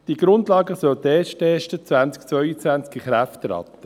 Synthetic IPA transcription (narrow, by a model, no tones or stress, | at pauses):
d̥iɡ̥ɾʊndlɑːɡəsœlt̪eːʃteːʃtət͡svænt͡sk̚t͡sʋœʏət͡svænt͡skiχɾæft̪ɾɑ̰t̪ːə